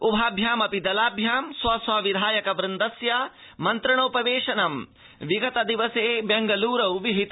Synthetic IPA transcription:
ubʱaːbʱjaːmɐpid̪ɐlaːbʱjaːmsʋɐsʋɐʋid̪ʱaːjɐkɐʋɾɪnd̪ɐsja | mɐnt̪ɾɐɳɐwpɐʋeːʂɐnɐm | ʋiɡɐt̪ɐd̪iʋɐseːbeŋɡɐluːɾɐwʋiɦit̪

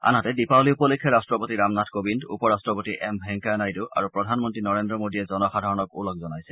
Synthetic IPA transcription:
a̰natɛdipawliupɔlekʰːɛɹastɹɔpotiɹamnatʰkobindupɔɹastɹɔpotiʔɛmbʱɛŋkanajduʔa̰ɹupɹɔdʱanmɔntɹinɔɹendɹɔmodiɛzɔnɔxadʱaɹɔnɔkṵlɔk̚zɔnajsɛ

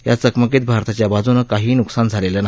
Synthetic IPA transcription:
ja̰t͡səkmək̬et̪̚bʱaɾt̪at͡ɕjabad͡zunəkaɦiːnuksand͡zʱaleləna

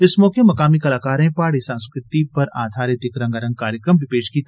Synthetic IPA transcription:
ɪsmɔːkemɐkaːmikɐlaːkaːɾẽpaːɽisãːnsʊ̥kɪt̪iːpɐɾa̰ːd̪ʱaːɾet̪ɪkɾɐ̃ŋɡɐɾɐ̃ŋɡ̚kaːɾjəkɾəmbʱipeːd͡ʒkiːt̪a

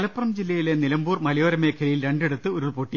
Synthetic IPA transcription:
ɐlɐpːrɐmd͡ʑilːɐjilenilɐmbuːrmɐlijoːɾɐme̞ːkʰɐlɐjilɾeɳɖe̞ɽut̪ːɨoɾuɭpoʈːi

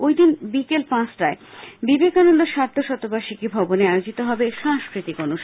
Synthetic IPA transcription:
ojd̪inbikelpãsʈɾaebibekanond̪oʃaɾd̪ʰʱoʃɔt̪ːobaʃikibʱɔboneaeod͡ʑit̪oɦɔbeʃãŋskɾit̪ikonuʃ

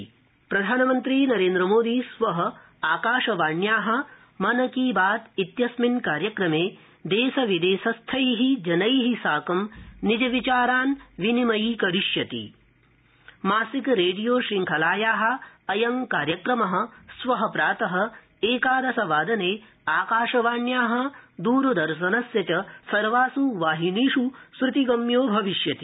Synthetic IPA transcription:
pɾɐd̪ʱaːnɐmɐnt̪ɾiːnɐɾeːnd̪ɾɐmoːd̪iːsʋɐɦɐ | aːkaːʃɐʋaːɳjaːɦɐ̆ | mɐnɐkiːbaːt̪it̪jɐsminkaːɾjɐkɾɐmeː | d̪eːsɐʋid̪eːsɐst̪ʰɐjɦid͡ʒɐnɐjɦisaːkɐmnid͡ʒɐʋit͡ʃaːɾaːnʋinimɐjikɐɾiʃjɐt̪ḭ | maːsikɾeːɖijoːʃɾiŋkʰɐlaːjaːɦɐ̆ɐjɐŋkaːɾjɐkɾɐmɐɦɐ̆sʋɐɦɐpɾaːt̪ɐɦɐ̆ | eːkaːd̪ɐsɐʋaːd̪ɐneː | aːkaːʂɐʋaːnjaːɦɐ̆d̪uːɾɐd̪ɐɾʃ̬ɐnɐsjɐt͡ʃɐsɐɾʋaːsuʋaːɦiniːʂusɾut̪iɡɐmjoːbʱɐʋiʃjɐt̪i

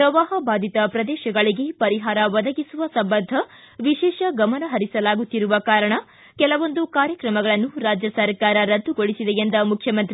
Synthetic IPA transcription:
pɾɐʋaːɦɐbaːd̪ʱit̪ɐpɾɐd̪ɛːʃɐɡɐɭiɡe̞pɐɾiɦaːɾɐʋɐd̪ɐɡisuʋɐsɐmbɐnd̪ʱɐ | ʋiʃɛːʃɐɡɐmɐnɐɦɐɾisɐlaːɡut̪ːiɾuʋɐkaːɾɐɳɐ | kɛlɐʋo̞nd̪ukaːɾjɐkɾɐmɐɡɐɭɐnːuɾaːd͡ʒjɐsɐɾkaːɾɐɾɐd̪ːuɡoɭisid̪ejend̪ɐmukʰjɐmɐnt̪ɾi

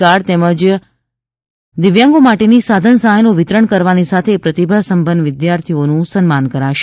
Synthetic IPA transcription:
aɾt̪ɛməd͡ʒ | d̪ɪʋjãŋɡomaʈenisad̪ʱənsəɦajnoʋɪt̪ɾəɳkəɾʋanisat̪ʰepɾət̪ibʱasəmbənd̪ʋɪd̪jaɾt̪ʰionũsənmankəɾaʃ

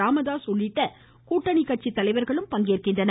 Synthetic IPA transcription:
aːmɐðaːsɔlːɪʈːɐ | kuːʈːɐnɪkːɐʈ̚t͡ʃit̪ːɐlɐɪʋɐɾɣɐɭɯmpɐŋɡeːrkɪndrɐnɐ

